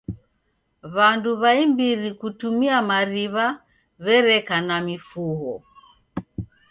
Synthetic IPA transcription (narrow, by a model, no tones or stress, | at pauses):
βanduβaimbiɾikutumiamaɾiβa | βɛɾɛkanamifuɣɔ